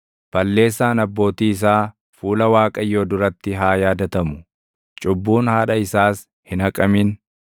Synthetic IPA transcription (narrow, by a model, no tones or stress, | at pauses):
b̥ɐlːe̞ːs̬ːaːnɐbːo̞ːt̪iːɪs̬aː | fuːlɐwaːkʼɐjːo̞ːd̪ʊɾɐt̪ːɪɦaːjaːd̪ɐt̪ɐmʊ | t͡ʃʼʊbːuːnhaːᶑɐɪsaːs | hɪnɐkʼɐmin